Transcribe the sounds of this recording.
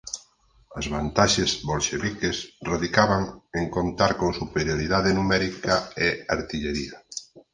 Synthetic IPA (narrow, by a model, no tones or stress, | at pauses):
azβant̪aʃezβolʃeβikesroðikaβaŋeŋkont̪aɾkoŋsupeɾjoɾiðaðenumɛɾikaeaɾt̪iʎeɾia